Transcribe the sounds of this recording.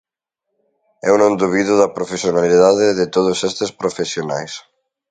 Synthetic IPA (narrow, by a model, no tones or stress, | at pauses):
ɛ̰unõnd̪uβiðʊðɐpɾofesjonaliðaðeðet̪oð̞ʊsɛst̪espɾofesjonajs